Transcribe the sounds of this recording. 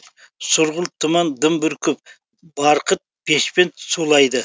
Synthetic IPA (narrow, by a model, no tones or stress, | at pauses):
sʊɾʁʊlˠt̪ʰəmɑnd̪əmbɪɾkʰʊp̚ | bɑɾqət̪̚pʰeʃpensulˠɑjd̪ə